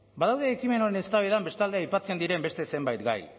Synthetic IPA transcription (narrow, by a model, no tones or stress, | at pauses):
baðawðe̞ːkime̞noɾenest̪aβeðambe̞st̪ald̪eajpat͡send̪iɾe̞mbe̞st̪e̞se̞mbajt̪ɡa̰j